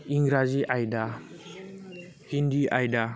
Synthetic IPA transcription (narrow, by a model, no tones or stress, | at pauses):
iŋɡɾaziʔajda | hindiʔajda